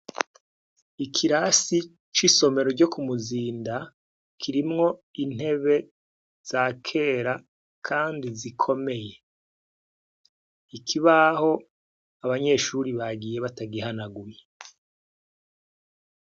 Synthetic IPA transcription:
ikʰiɾasi | t͡ʃiso̞me̞ɾo̞ɾɟo̞kumuziːnda | kʰiɾimŋo̞in̥he̞βe̞ | z̥aːkʰe̞ːɾa | kʰaːndizikʰo̞me̞je̞ | ikʰiβaho̞ | aβaɲe̞ːʃuɾiβaɡije̞βataɡiɦanaɡuje

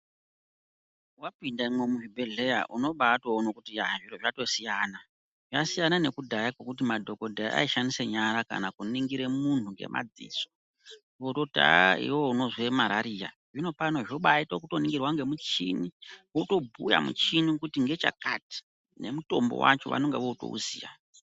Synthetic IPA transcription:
wapindaimwe̞muʐibʱe̞ɮe̞ja̰ʔuno̞ɓaːto̞ːnokutijaʐiɾoʐato̞sijaːna | ʐasijanane̞kudʱajakwokut̬imadʱo̞ko̞dʱaʔa̰iʃaniseɲaɾaka̰nakuniŋɡiɾe̞mun̤uŋɡe̞̰mʔa̰d͡zḭːso̞̥ | ʋoto̞dʱa̰aḭwouno̞zwemaɾaɾija̰ | ʐino̞pano̞ʐoɓaitokuto̞niŋɡirwaŋɡe̞mut͡ʃḭniʋoto̞bʱuja̰mṵt͡ʃinikutiŋɡe̞t͡ʃa̰ka̰ti̥ | ne̞̰muto̞̰mbo̰wa̰t͡ʃo̞̰ʋa̰noŋɡḛʋo̞uto̰ṵziːja̰

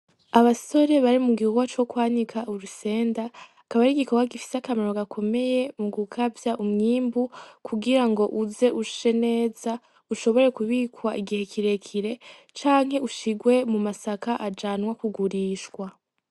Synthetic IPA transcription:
aβaso̞ɾe̞βaɾimuɡiuɡwat͡ʃo̞kwaːnikʰauɾuse̞ːnda | kaβaɾiɡikokaɡifi̥sakameɾoɡakʰo̞me̞je̞muɡukʰavjaʔumɲiːmbukʰuɡiɾaŋɡo̞ʔuze̞ʔuʃu̥ʃe̞ne̞ːz̥a | uʃo̞βo̞ɾe̞kuβiːkʰwaʔiɡihe̞kʰiɾe̞kʰiɾe̞ | t͡ʃaːŋ̥ɦe̞uʃiɡwe̞mumasakaʔad͡ʒanwakuɡuɾiːʃkwa

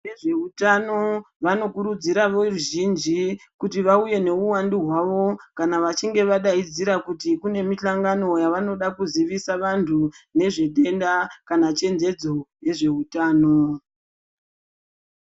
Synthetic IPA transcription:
eʐeutano̞ | ʋano̞kuɾud͡ziɾaʋoruʒind͡ʒikutiʋauje̞ne̞uwandiɦwaʋo̞kanaʋat͡ʃiŋɡe̞ʋaɗaid͡ziɾakutikune̞miɬaŋɡano̞jaʋano̞ɗakuziʋisaʋantʰune̞ʐe̞ɗe̞ndakanat͡ʃe̞nze̞d͡zo̞je̞ʐe̞utaːno̞

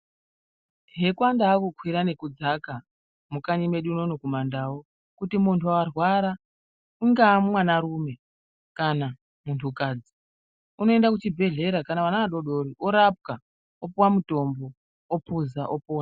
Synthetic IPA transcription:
ɦe̞kwandaːkukʰwiɾane̞kud͡zaka | mukaɲime̞ɗuno̞nokumandawo | kutimuntʰuwawarwaɾa | uŋɡaːmumwanaɾume̞ | kana | muntʰukaːd͡zi | uno̞e̞ndakut͡ʃibʱe̞ɮe̞ɾakanaʋanaʋaɗo̞ɗo̞ɾiʔoɾap̚ka | opowamuto̞mbo̞ | opuzaʔopoːwa

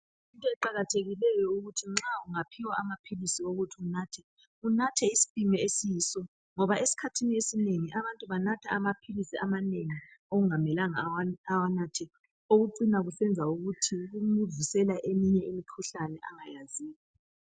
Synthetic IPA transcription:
jintʼɔɛǃaɣatʰeɣilɛjɔuɣutʰiŋ͡ǁauŋapʰiwaamapʰilisioɣutʰiunaːtʰɛ | unatʰɛisi̥fimɛesijiːsɔ | ŋɔβaʔesi̥kʰatʰiniesineŋiʔaβantʼuβanatʰaamapʰilisiamaneŋioɣuŋamɛlaŋawawanatʰɛ | oɣuǀinaɣusɛnd͡zʱauɣutʰiɣumuvisɛlaʔemiɲɛimikʰuɬanɛʔaŋajaziːɣa

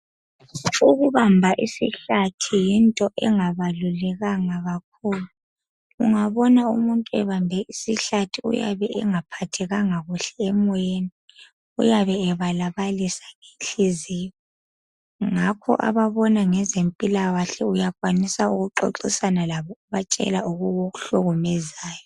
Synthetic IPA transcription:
uɣuβambʱaʔisḭɬatʰijintʼɔʔɛŋaβalulɛɣaŋaɣakʰulu | ṵŋaβɔnaṵmuntʼuɛ̰βambʱɛʔisiɬatʰiṵja̰βɛʔɛŋapʰatʰɛɣaŋaɣuɬɛɛmɔweni | ṵjaβɛːβalaβalisḁeɬizijɔ | ŋakʰɔ̰ʔa̰βaβɔnaŋɛzempʼilawaɬɛujakʼwanisaṵɣuǃo̰ǁisanalaβɔuβat͡ʃʼɛ̰lauɣuɣoɣuɬuɣumɛzaːjɔ

